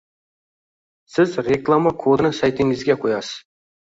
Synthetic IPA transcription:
sɪzɾeklˠamakʰod̪nɪŋsajt̪ɪŋɪzɡʲeqʰojɑsəz̥

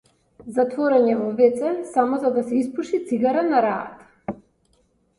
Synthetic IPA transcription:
zat̪vɔɾɛɲɛvɔvɛt̪sɛsamɔzad̪asɛispuʃit̪siɡaɾanaɾaːa̰t̪ḁ

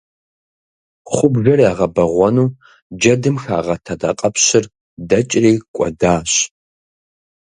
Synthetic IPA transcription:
χʷʊbʒɐriaːʁɐbɐʁʷɔnuː | d͡ʒɐdɨmxaːʁɐtʰɐdaqʼɐpʰɕɪr | dɐt͡ʃʼriːkʷʼɔ̰daːɕ

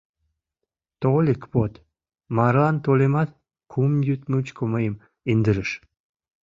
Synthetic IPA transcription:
t̪olʲikpot̪ | mɑɾlɑnt̪olemɑt̪ | kʰumjyt̪mut͡ɕkoməjəm | ind̪əɾəʃ

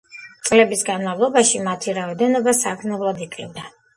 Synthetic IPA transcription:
t̪sʼlɛbisɡanmavlˠɔbaʃimat̪ʰiɾaɔd̪ɛnɔbasakʰmnɛblˠad̪ikʼivd̪a

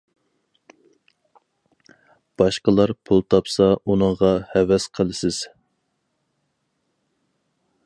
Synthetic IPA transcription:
b̥ɑʃqəlˠɑɾpʰulˠt̪ʰɑpsɑʔunəŋʁɑhɛvɛsqʰəlˠɨsɪz̥

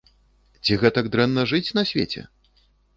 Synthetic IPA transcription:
t͡sʲiɣɛt̪ɐɡd̪ɾɛnːɐʐɨt͡sʲnɐsʲvʲḛt͡sʲɛ̰

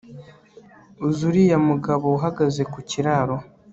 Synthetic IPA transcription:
uzuɾijamuɡaβouɦaɡaze̞kuciɾaːɾo̞

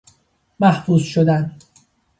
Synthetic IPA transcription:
mæhfuːzʃod̪æn

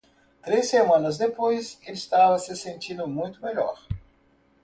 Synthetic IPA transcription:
t̪ɾesemãnɐzd̪epojsest̪avɐsɪsẽnt̪ĩnd̪ʊmũj̃t̪ʊmeʎɔ̰ɾ

